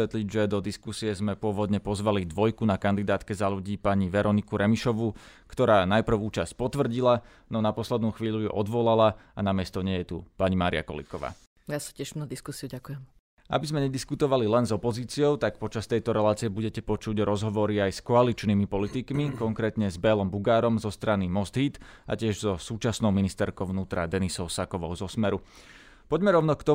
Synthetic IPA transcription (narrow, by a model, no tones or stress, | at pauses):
ɛt̪liɟʒɛd̪ɔd̪iskusiɛzmɛpʊɔʋɔd̪ɲɛpɔzʋalid̪ʋɔjkunakand̪id̪aːt̪kɛzaʎuɟiːpaɲiʋɛɾɔnikuɾɛmiʃɔʋukt̪ɔɾaːnajpr̩ʊuːt͡ʃasc̚pɔt̪ʋr̩ɟila | nɔnapɔslɛd̪nuːxʋiːʎuujɛ̰ʔɔd̪ʋɔlalaanamɪɛst̪ɔɲɛjɛt̪ṵpaɲimaːɾḭa̰kɔ̰lḭkɔʋa̰ː | jasḁcɛʃnad̪iskusiuɟakujɛm | ʔa̰bizmɛɲɛd̪iskut̪ɔʋalilɛnzɔpɔziːt͡siɔʊt̪ak̚pɔt͡ʃast̪ɛjt̪ɔɾɛlaːt͡sijɛbuɟɛcɛpɔt͡ʃuɟɾɔzɦɔʋɔɾiajskɔalit͡ʃnimipɔlit̪ikmikɔŋkɾɛːt̪ɲɛzbɛlɔmbuɡaːɾɔmzɔst̪ɾanimɔsd̪ɦiːt̪ | ʔa̰cɪɛʒzɔsuːt͡ʃasnɔʊminist̪ɛɾkɔʊʋnuːt̪ɾad̪ɛnisɔʊsakɔʋɔʊzɔsmɛɾu | pɔɟmɛɾɔʊnɔkt̪ɔ